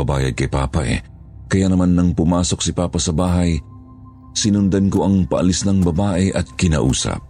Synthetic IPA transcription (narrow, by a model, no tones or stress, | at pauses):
ɐba̰ːjɐd̪̚kɐjpa̰ːpɐʔɛ̰ | kɐjanɐmanːɐŋpʊmaːso̞k̚sɪpaːpɐsɐbaːɦɐj | sɪnʊnd̪ɐnkoʔɐŋpɐʔɐ̰lisnɐŋbɐbaːʔɛʔɐt̪̚kɪna̰ʔuːsɐ̰p̚